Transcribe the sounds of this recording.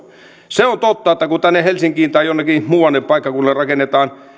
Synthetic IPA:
seont̪ot̪ːɑet̪ːækut̪ænːehelsiŋkiːnt̪ɑijonːekimuːʋɑnːepɑikːɑkunːerɑkenːet̪ɑːn

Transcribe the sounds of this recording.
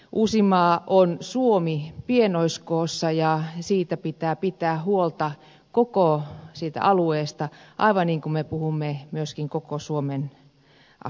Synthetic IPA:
ʔusimɑːʔonsuomipienoiskoːsːɑjɑsiːt̪æpit̪æːpit̪æːhuolt̪ɑ | kokosiːt̪æ̰ɑlueːst̪ɑʔɑ̰iʋɑnniːŋkumepuhumːemyøskiŋkokosuomen | ɑ̰

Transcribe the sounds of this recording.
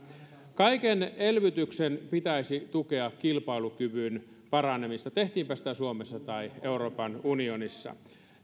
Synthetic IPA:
kɑikenelʋyt̪yksenpit̪æisit̪ukeɑkkilpɑilukyʋyn | pɑrɑnemist̪ɑt̪eht̪iːmpæsi̥t̪æsuomesːɑt̪ɑieuroːpɑnunionisːɑ̰

